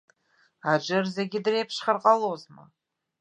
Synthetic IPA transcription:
ad͡ʒɨrzeɡʲɪdrejpʰʂχarqʼalozma̰

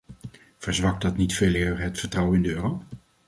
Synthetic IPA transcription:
v̥əɹzʋɑk̚dɑtnitfeːlɪːɹɦətfəɹtrʌwəɪndəøːrow

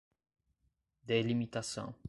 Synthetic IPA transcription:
d̪elimit̪asɐ̰̃w̃

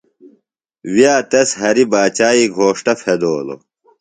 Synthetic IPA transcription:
wijaːt̪esɦɐɾibaːt͡ɕaːiɡʱoːʂʈɐfʰed̪oːlo̰

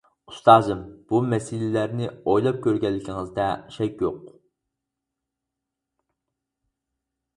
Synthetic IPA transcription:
u̥st̪ɑːzɨmb̥umɛsilɪlæɾnɪojlˠɑp̚kʲøɾɡʲɛlːɪkʲʰiŋɨzd̪ɛʃɛkʲjoq

